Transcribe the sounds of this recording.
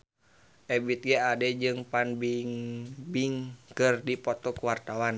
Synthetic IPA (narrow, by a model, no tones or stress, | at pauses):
ʔɛbit̪̚ɡɛadɛd͡ʒɨŋpanbiŋbiŋkɨrdipɔt̪ɔkuwart̪awan